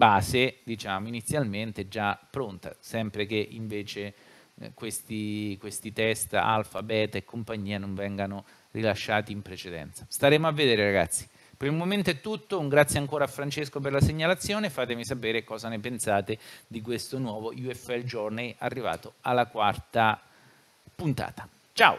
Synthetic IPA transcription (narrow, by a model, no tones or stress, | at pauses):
baːzed̪it͡ʃaːmoinit̪sːjalment̪ɛd͡ʒːapːɾont̪a̰sɛmpɾek̟eʔiɱveːt͡ʃe | kwest̪ikwest̪it̪ɛst̪a̰lfabɛːt̪ekʰːompaɲːiːanoɱvɛŋɡano | rilaʃːaːt̪iːmpɾet͡ʃed̪ɛ̰nt̪sḁst̪aɾeːmoavːed̪eːɾeɾaɡa̰t̪sːi̥ | peɾilmoment̪oɛt̪ːut̪ːoŋɡɾat̪sːjeaŋkoːɾaːfːɾant͡ʃeskoperlaseɲːalat̪sːjoːnefaːt̪emisapeːɾekɔːzanepensaːt̪ed̪ik̬west̪onwɔːvoʔjuɛfɛld͡ʒɔrnajarːiva̰ːt̪oalːakwart̪a | punt̪a̰ːt̪ḁ | t͡ʃao̰